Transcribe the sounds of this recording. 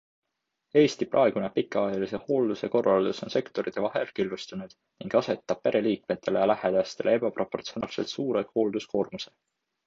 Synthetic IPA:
e̞ːst̪ipʔɑ̰e̞ɡ̥unepikːˑɑɑjɑlise̞ho̞ːld̪use̞ko̞rːɑld̪̥uso̞nse̞kt̪o̞ɾit̪ːˑe̞vɑɦe̞lkilːust̪unud̪̥ | niŋɡ̥ɑse̞t̪ːˑɑb̥̚pe̞ɾʔe̞liːk̚me̞t̪ːˑe̞le̞jɑlæhed̪̥ɑst̪e̞lee̞b̥ɑpro̞po̞rt̪sio̞nɑːlse̞lt̪suːɾe̞ɡ̪ho̞ːld̪usko̞ːrmuse̞

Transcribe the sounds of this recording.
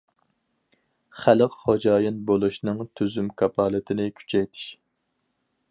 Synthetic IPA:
χælɨqχod͡ʒɑːjɨnbolˠuʃnɨŋt̪ʰyzymkʰɑpʰɑːlˠɨt̪ʰɪnɪkʲʰy̥t͡ʃʰɛjt̪ʰɪ̥ʃ

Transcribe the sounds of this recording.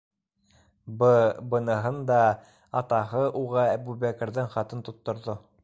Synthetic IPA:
ɤbɤ̆nɤ̆ɦɤnd̪ɑ | ɑt̪ɑɦɤʔuʁɑæbʉβækɘ̆ɾðɘɴχɑt̪ɤnt̪ut̪ːŏɾðo

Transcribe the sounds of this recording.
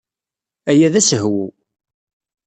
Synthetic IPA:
æjæðæsəɦwṵ

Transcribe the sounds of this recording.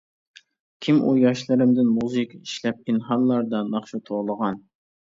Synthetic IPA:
kʲʰimʔṵjɑʃlˠɨɾɪmd̪ɪnmuzɨkiʃlɛp̚inχɑllˠːɑɾd̪ɑnɑχʃut̪ʰoʁlˠəʁɑn

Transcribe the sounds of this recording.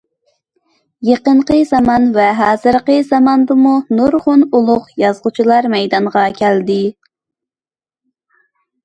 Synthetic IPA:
jeqəɴqəzɑmɑnvɛɦɑːzɨɾqəzɑmɑnd̪ɨmunuɾʁʊnulˠʊqjɑzʁʊt͡ʃʰilˠɑɾmɛjd̪ɑɴʁɑkʲʰæld̪ɪ

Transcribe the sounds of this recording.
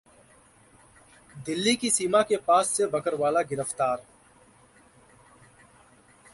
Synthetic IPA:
d̪ɪlːikisiːmakepaːsːebɐkəɾʋaːlaɡɪɾəft̪aːɾ

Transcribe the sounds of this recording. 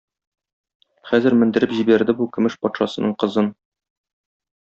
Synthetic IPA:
χæzɘɾmɘ̆nd̪ɘ̆ɾɘpʑibæɾd̪ɘbukɵ̆mɘʃpɒt̪ʃɑsɤ̆nɤɴqɤ̆zɤn

